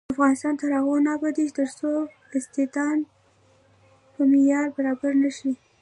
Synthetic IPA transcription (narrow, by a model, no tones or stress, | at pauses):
afɣɑnɪst̪ɑnt̪aɾaɣonɑbad̪it͡ʃt̪əɾso | ɪst̪ɪt̪ɑn | pəmɪjɑɾbaɾɑbaɾnaʃi